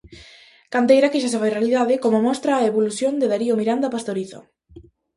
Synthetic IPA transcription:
kant̪ejɾakɪʃ̬as̬efajrealiðaðɪkomomɔst̪ɾaːeβoluθjond̪eðaɾiomiɾand̪ɐpast̪oɾiθo̰

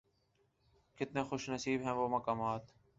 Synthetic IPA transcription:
kɪt̪nẽːxʊʃnəsiːbɦɛ̃ːʋoːməkaːmaːt̪

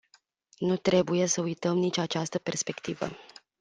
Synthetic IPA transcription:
nut̪ɾe̞buje̞səujt̪əmnit͡ʃʲat͡ʃast̪əpe̞rspe̞kt̪ivə̰

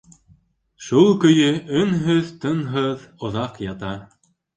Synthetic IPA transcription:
ʃulˠkɵ̆jɵɵnɦɵðt̪ɤ̆nɦɤðŏðɑqjɑt̪ɑ

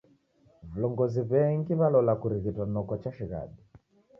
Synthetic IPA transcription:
vulɔŋɡɔziβɛŋɡiβalɔlakuɾiɣitanɔkɔt͡ʃaʃiɣa̰ɗi

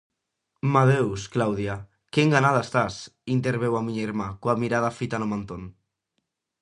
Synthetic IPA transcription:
maðewsklawðja | keŋɡanað̞ast̪asint̪̬eɾβ̞ewamiɲeɾmakoamiɾað̞afit̪anomant̪on

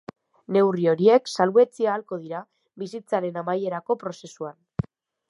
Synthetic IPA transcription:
ne̞wrio̞ɾie̞ksalue̞t͡siaːlko̞ð̞iɾa | βisit͡saɾe̞namaje̞ɾako̞pɾo̞se̞suan

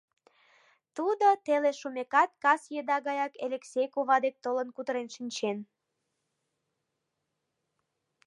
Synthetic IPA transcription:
t̪ud̪ot̪eleʃumekɑt̪̚kɑsjed̪ɑɣɑjɑkeleksʲejkoβɑd̪ek̚t̪olənkut̪əɾenʃinʲt͡ɕen

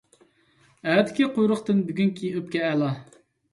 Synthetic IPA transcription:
æt̪ʰɪ̥kʲiqʰojɾʊχt̪ɨnbyɡʲynkʲʰiøp̚kʲɛɛlˠɑ

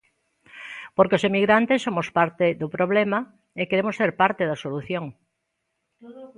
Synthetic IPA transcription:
poɾkeosemiɣɾant̪esːomospaɾt̪eðopɾoβlema | ekeɾemoseɾpaɾt̪eðɐsoluθjoŋ

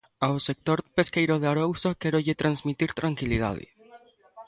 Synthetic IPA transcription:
awsek̚t̪o̞ɾpe̞skejɾoðeaɾowsakeɾoʝet̪ɾanzmit̪iɾt̪ɾaŋkilið̞a̰ðḛ

